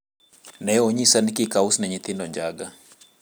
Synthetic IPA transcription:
nɛɔɲisanikikausnaɲit̪indɔɲd͡ʒaɡa

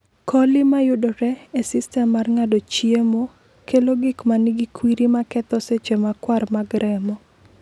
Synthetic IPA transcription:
kʰɔlɪmajʊdɔɾɛesɪstɛmːarŋadot͡ʃiemo | keloɡɪkmanɪɡikwiɾimakɛt̪ɔset͡ʃemakwarmaɡɾɛmɔ

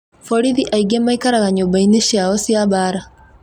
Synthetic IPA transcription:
fɔɾiðiʔaiɡemaikaɾaɣaɲobaineʃjaɔsjaβaːɾa

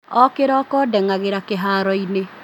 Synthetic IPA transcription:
ɔkeɾaːkɔːdɛŋaɣeɾakeɦaɾɔine

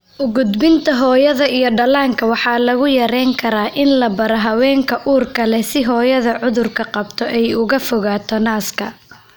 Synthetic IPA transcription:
ʔʊɡʊd̪bɪnt̪ʰɐɦɔːjɐðɐijɞɖɐlaːŋkʰɐwɑħɑːlɐɣʊjɐɾɛŋkʰɐɾaːʔɪnlɐbɐɾɐɦɐwɛːŋkʰɐʔuːrkʰɐlɛsɪɦɔːjɐðɐʕʊðʊrkʰɐqɑb̚t̪ʰɔʔɛjʊɣɐfɔɣaːt̪ʰɔnaːskʰɐ

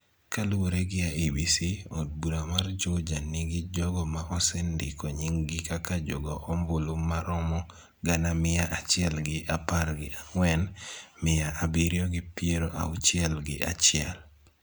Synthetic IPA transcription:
kaluwoɾeɡɪaʔibisiɔd̚buɾamard͡ʒod͡ʒanɪɡɪd͡ʒɔɡɔmaʔɔsɛndɪkɔɲɪŋɡɪkakad͡ʒɔ̰ɡɔʔɔmbʊlumːaɾɔmɔ | ɡanamɪjaʔat͡ʃɪɛlɡɪʔapaɾɡɪaŋwɛnmɪjaʔabiɾjɔɡɪpɪeɾoʔa̰ut͡ʃɪɛlɡɪ̰ʔa̰t͡ʃɪɛl

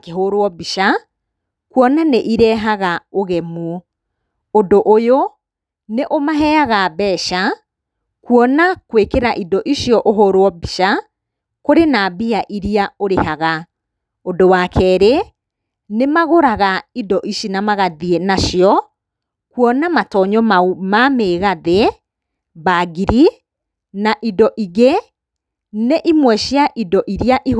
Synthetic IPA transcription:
keɦoɾwɔbiʃa | kwɔnaneʔiɾɛːɦaɣaoɣɛmwɔ | odoʔojo | neʔomaɦɛaɣabɛːʃa | kwɔnakwekeɾaʔidɔʔiʃjɔʔoɦoɾwɔbiʃa | koɾenabiaʔiɾiaoɾeɦaɣa | odowaːkʰɛːɾe | nemaɣoɾaɣaidɔʔiʃinamaɣaðienaʃiɔ | kwɔnamatɔɲɔmaumameːɣaðe | baɡiɾi | naʔidɔʔiɣe | neʔimwɛʃjaʔidɔʔiɾiaʔi

